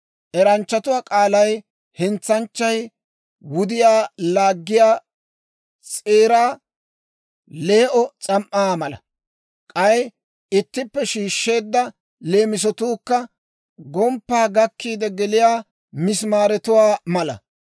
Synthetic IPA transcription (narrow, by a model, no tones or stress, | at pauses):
ʔɛɾɐnt͡ʃːɐt̪ʊwaːkʼaːlɐj | hɪnt͡sːɐnt͡ʃːɐj | wʊd̪ɪjaːlaːɡːɪjaː | t͡sʼeːɾaː | le̞ːʔɔt͡sʼɐmʔːaːmɐlɐ̰ | kʼɐj | ɪt̪ːɪpːɛʃiːʃːe̞ːd̪ːɐ | le̞ːmɪs̬ɔt̪uːkːɐ | ɡɔmpːaːɡɐkːiːd̪ɛɡɛlɪjaː | mɪsmaːɾɛt̪ʊwaːmɐlɐ̰